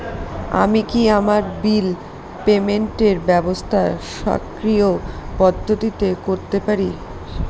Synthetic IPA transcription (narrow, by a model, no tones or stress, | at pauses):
a̰mikiamaɾbil | pemeɳʈeɾbɛbost̪ʰaʃa̰kɾiopɔd̪ʱːot̪it̪ekoɾt̪epaɾi